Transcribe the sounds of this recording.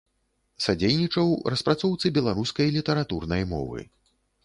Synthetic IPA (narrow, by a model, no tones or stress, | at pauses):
sad͡zʲejnʲit͡ʂɐwrɐspɾat̪sɔwt̪sɨbʲɛlˠaɾuskɐjlʲit̪ɐɾat̪urnɐjmɔ̰vɨ̰